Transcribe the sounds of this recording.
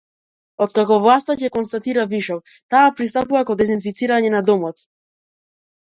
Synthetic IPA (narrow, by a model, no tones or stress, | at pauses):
ɔt̪̚kakɔvlˠast̪acɛkɔnst̪at̪iɾaviʃɔv | t̪aːpɾist̪apuvakɔd̪ɛzinfit̪siɾaɲɛnad̪ɔmɔt̪